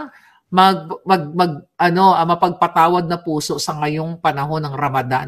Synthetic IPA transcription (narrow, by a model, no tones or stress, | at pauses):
mɐɡ̚ɐɡ̚mɐɡ̚ʔɐno̞ʔɐmɐpɐɡ̚pɐt̪aːwɐd̪̚nɐpuːso̞ʔsɐŋɐjo̞ŋpɐnɐɦo̞nːɐŋɾɐmɐd̪a̰